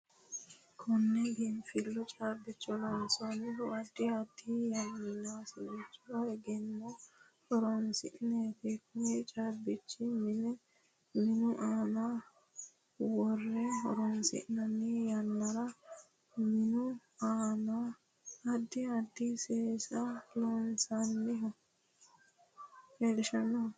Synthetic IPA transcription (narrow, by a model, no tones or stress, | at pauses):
kʰɔnːɛɡɛnfɪlːɔt͡ʃʼaːbːɪt͡ʃːɔlɔnsɔnɪɦɔɐd̪ːɪɐd̪ːijɐmːɪnaːsɪnɛt͡ʃːʊɐɛɡɛnːo | hɔɾɔnsɪʔneːt̪ɪkʰʊt͡ʃʼaːbɪt͡ʃːɪmɪnɛ | mɪnʊʔaːna | wɔrːɛhɔ̰ɾɔnsɪ̰ʔnɐnːejɐnːɐɾɐ | mɪnʊ | aːna | ɐd̪ːɪɐd̪ːɪseːsɐlonsɐnːɪɦɔ | helɪʃɐnːɐ